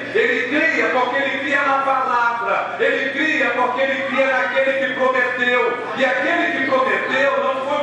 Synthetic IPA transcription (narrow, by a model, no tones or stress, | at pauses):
eliðiɐkãkẽliðiɐnapalavɾɐ | eliðiɾɐkwakeliðiɐnakelikɪkomet̪ew | iakelikɪkomet̪ewnɐ̃w̃fo